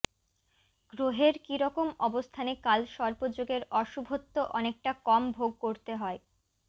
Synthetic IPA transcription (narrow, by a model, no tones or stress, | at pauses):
ɡ̥ɾoɦeɾkiɾɔkomɔbost̪ʰanekalʃɔɾbod͡ʑoɡeɾɔʃubʱot̪ːoʔɔnek̚ʈakɔmbʱoɡ̚koɾt̪eɦɔe